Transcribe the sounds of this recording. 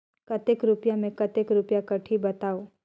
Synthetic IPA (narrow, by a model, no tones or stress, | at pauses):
kɐt̪ekɾʊpjamẽkɐt̪ekɾʊpjakɐʈʰibɐt̪aːoː